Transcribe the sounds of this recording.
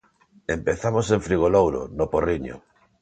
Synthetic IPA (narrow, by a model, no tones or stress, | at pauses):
empeθamoseɱfɾiɣ̞olowɾo̰noporiɲo̰